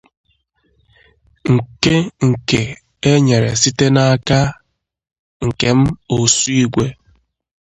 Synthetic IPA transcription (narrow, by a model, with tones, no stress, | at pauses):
ŋ̩˨ke˦ŋ̩˨ke˨ | e˦ɲe˨ɾḛ˨si˦te˦na˦a˦ka˦ | ŋ̩˨ke˨m̩˦o˨su˦i˦ɡʷe˦